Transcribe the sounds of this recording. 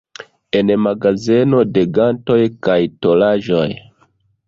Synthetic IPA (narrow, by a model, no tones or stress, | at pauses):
e̞nmaɡazeno̞de̞ɡanto̞jkajto̞laʒoj